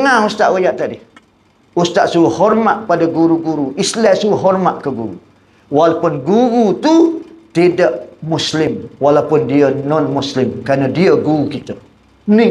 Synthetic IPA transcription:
əŋaust̪aʔwajaʔt̪adi | ust̪aʔsuhɔrmaʔ̪̚padəɡuɾuɡuɾuʔislɛʔsuɦɔrmaʔ̪kəɡuɾṵ | walapʊnɡuɾut̪ut̪idəʔmuslɪmwalapʊndiənɔnmuslɪmkɾanədiəɡuɾukit̪ə | ni

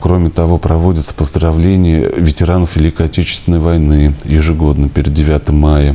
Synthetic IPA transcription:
kɾo̞mʲɪt̪ɐvo̞pɾɐvo̞dʲɪt̪sə̥pəzd̪ɾɐvlʲenʲɪjə̰vʲɪtʲɪɾanəfvʲɪlʲikəɐtʲet͡ɕɪst̪vʲɪnːəjvɐjnɨjɪʐɨɡo̞d̪nəpʲeɾʲɪd̪dʲɪvʲat̪əmːajə

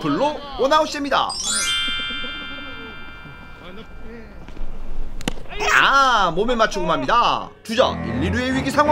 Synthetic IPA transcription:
kɯɭːoonaoɕ͈idemɲida̰ | amomemat͡ɕʰɯɡomɦamɲidatud͡ʑʌ̰ḭɭːiɾueɥiɡisʰaŋɦ

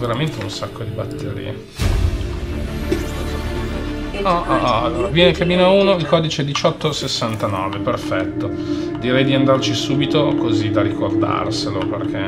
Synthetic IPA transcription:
veɾament̪eunsakːod̪ibat̪ːeɾḭːe | ɔɔalːoːɾavjɛnekamiːnauːnoilkɔːd̪it͡ʃeɛd̪it͡ʃɔt̪ːosesːant̪anɔːveperfɛt̪ːo | d̪iɾɛjd̪iand̪art͡ʃisuːbit̪okozid̪aɾikord̪a̰rseloperk̟e

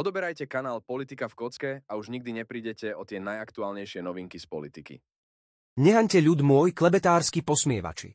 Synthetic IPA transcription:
ɔd̪ɔbɛɾajcɛkanaːlpɔlit̪ikafkɔt͡skɛauʒɲiɡ̚d̪iɲɛpɾiːɟɛcɛɔt̪ɪɛnajakt̪uaːlɲɛjʃɪɛnɔʋiŋkispɔlit̪ikḭ | ɲɛɦaɲcɛʎud̪mʊɔjklɛbɛt̪aːɾskipɔsmɪɛʋa̰t͡ʃḭ

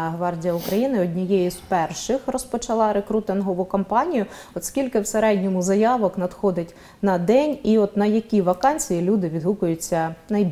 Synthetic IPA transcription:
ɦʋɑrdʲijɐukɾɐjinɪɔdʲnʲijɛjizpɛrʃɪxrɔspɔt͡ʃɐlˠɑɾekɾut̪ɪnɦɔʋʊkɔmpɑnʲijʊ | ɔt̪skʲilʲkɪwseɾɛdʲnʲɔmʊzɐjɑʋɔknɐd̪xɔd̪ɪtʲ | nɐd̪ɛnʲiɔt̪nɐjɐkʲiʋɐkɑnʲsʲijilʲud̪ɪʋʲid̪ɦukʊjʊt͡sʲːɐnɐjbʲ

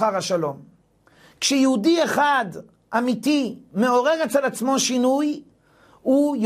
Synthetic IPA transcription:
aʁaʃalo̞m | kʃejeudieχad | ʔamitime̞o̞ʁe̞ʁet͡selat͡smo̞ʃinuj | uj

